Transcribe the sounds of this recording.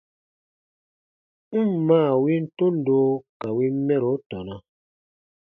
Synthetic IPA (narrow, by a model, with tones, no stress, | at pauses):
m̩˦˨mːaː˦˨wi˦n̩˦tu˦n̩˨doː˦ka˨wi˦mɛ˦ɾo˨˦tɔ˨na˦